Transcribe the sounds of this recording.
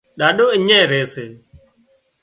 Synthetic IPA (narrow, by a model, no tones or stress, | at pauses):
ɗaːɗoːɪɲẽːɾeːseː